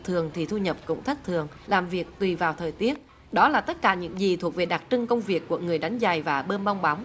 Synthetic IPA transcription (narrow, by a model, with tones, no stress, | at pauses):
t̪ʰɨ˨˩əŋt̪ʰi˨˩t̪ʰu˧ɲə˨˩p̚kʊ̰˧˥wŋ͡mt̪ʰə˦˥k̚t̪ʰɨ˨˩əŋ | laː˨˩mvi˨˩ək̚t̪wi˨˩vaː˨˩wt̪ʰəː˨˩jt̪i˦˥ət̚ | ɗɔ˨˦laː˨˩t̪ə˦˥t̚kaː˧˩ɲɨ̰˧˥ŋzi˨˩t̪ʰu˨˩ək̚ve˨˩ɗa˨˩k̚t͡ɕɨ˧ŋkə˧wŋ͡mvi˨˩əkːu˧˩əŋɨ˨˩əjɗa˨˦jŋ̟za˨˩jvaː˨˩ɓəː˧nɓa˧wŋ͡mɓa˨˦wŋ͡m